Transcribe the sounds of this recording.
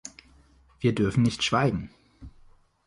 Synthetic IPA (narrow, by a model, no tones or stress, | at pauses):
v̥iːɐdʏɐfn̩nɪçtʃv̥aɪɡŋ̩